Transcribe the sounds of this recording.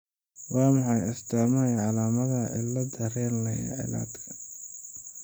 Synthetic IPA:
wɑːmɑħɑjɐst̪ʰamɐjʕɑlaːmɐðɐʔɪ̰lɐd̪ɐrɛːnɐjɐ̰ʕɪ̰la̰ːd̪kʰɐ̥

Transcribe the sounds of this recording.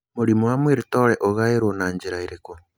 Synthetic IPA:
muɾimuwamwiɾitoɾeʔoɣajeɾwonaːɲɟiɾaiɾeko

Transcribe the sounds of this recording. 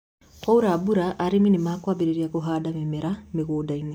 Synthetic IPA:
kauɾaːbuɾaʔːɾeminemaːkwabeɾeɾiakoɦaːdamemɛɾameɣoːdaine

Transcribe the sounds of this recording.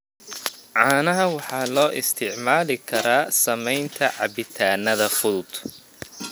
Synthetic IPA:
ʕɑːnɐɦɐwɑħɑːlɔːʔɪst̪ʰɪʕmaːlɪkʰɐɾaːsɐmɛjnt̪ʰɐʕɑ̰bɪt̪ʰaːnɐðɐfʊðʊd̪̥

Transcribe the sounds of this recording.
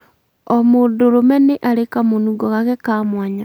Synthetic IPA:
omoːndoɾomɛneʔaɾekamonuɡɔɣaɣɛkamwaɲa

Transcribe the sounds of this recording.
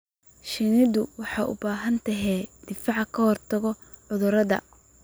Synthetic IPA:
ʃɪnɪd̪ʊwɑħɑːʔʊ̰baːɦɐnt̪ʰɐɦɛːd̪̥ɪfɑʕkʰɐhɔrt̪ʰɐɣɔ | ʕʊðʊɾɐðɐ̰

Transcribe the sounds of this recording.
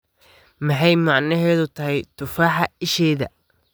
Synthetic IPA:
mɐħɑjmɑʕnɐɦɛːðʊt̪ʰɐɦɛjt̪ʰʊfaːħɑɪʃɛːðɐ̰

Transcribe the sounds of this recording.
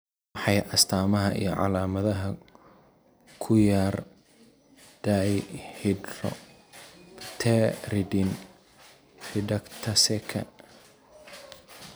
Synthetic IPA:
ħɑjɐst̪ʰaːmɐɦɐʔḭjɞʕɑ̰laːmɐðɐɦɐ | kʰʊjaːr | d̪̥ajhɪdrɔ̰ | t̪ʰɛrɪdɪn | rɪdɐkt̪ʰɐsɛkʰɐ̰

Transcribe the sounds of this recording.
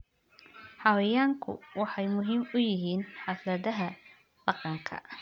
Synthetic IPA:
ħɑwɛjaːŋkʰʊ̰wɑħɑjmʊɦiːmʊjɪɦiːnħɑθlɐðɐɦɐ | ɖɑqɑŋkʰɐ̰

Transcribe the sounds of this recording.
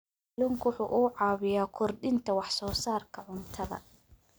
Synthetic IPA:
lʊŋkʰwʊħuːʔʊːʕɑːβɪjaːkʰʊrdɪnt̪ʰɐwɑħsɔːsaːrkʰɐʕʊnt̪ʰɐðɐ̰

